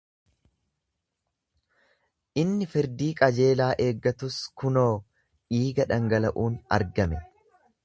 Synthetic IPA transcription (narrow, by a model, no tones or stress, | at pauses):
ʔɪnːɪfɪɾd̪iːkʼɐd͡ʒe̞ːlaːʔe̞ːɡːɐt̪ʊskʊnoː | iːɡɐᶑɐŋɡɐlɐʔuːnɐ̰ɾɡɐmɛ